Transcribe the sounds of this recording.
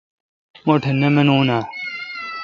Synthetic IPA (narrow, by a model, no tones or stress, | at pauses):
moʈʰenemenuːnaː